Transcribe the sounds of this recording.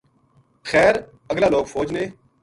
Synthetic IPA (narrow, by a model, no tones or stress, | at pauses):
xɛːɾ | əɡlaːloːɡfoːd͡ʒneː